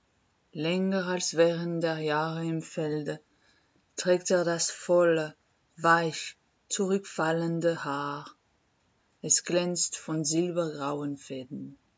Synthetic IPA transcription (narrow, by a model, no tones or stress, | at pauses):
lɛŋəalsv̥ɛːʁənt̚d̥eːɐjaːʁəɪmfɛldə | tʁ̥ɛːk̚teːɐdasfɔlə | vaɪç | t͡suʁʏkfaləndəhaː | ʔɛsɡ̥lɛnt͡stfɔnzɪlbɐɡʁaʊənfɛːdn̩